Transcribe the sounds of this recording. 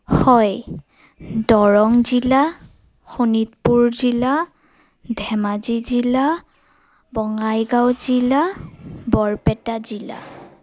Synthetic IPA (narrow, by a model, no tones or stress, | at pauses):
hɔj | dɔɹɔŋzila | xunitpuɹzila | dʱɛmazizila | bɔŋajɡawzilabɔɹpɛtazila̰